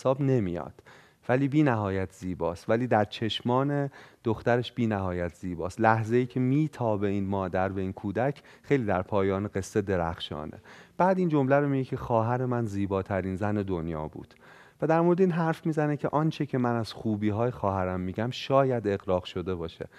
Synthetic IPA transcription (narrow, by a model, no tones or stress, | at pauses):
sɒːbne̞mijɒ̰ːd̪̥ | væliːbiːnæɦɒːjæt̪ʰz̥iːbɒːst̪væliːd̪æɾt͡ʃʰe̞ʃmɒːned̪̥oxt̪æɾeʃb̥iːnæhɒːjæt̪ʰz̥iːbɒːst̪læhzejiːcʰe̞miːt̪ʰɒːbe̞inmɒːd̪æɾveiːnkʰuːd̪æcʰ | χe̞jliːd̪æɾpʰɒːjɒːneɡe̞sːed̪e̞ɾæ̰xʃɒ̰ːne̞̰b̥æːd̪iːnd͡ʒo̞mlæɾomiɟecʰe̞xɒːɦæɾemænziːbɒːt̪ʰæɾiːnzæne̞d̪onjɒ̰ːbṵːd̪̥ | væd̪æɾmoɾed̪eiːnɦæɾfmiːzænecʰe̞ʔɒnt͡ʃʰecʰe̞mænæz̥xuːbiːɦɒːjexɒːɦæɾæmːiɟæmʃɒːjæd̪e̞ɣɾɒːɣʃo̞d̪e̞bɒːʃḛ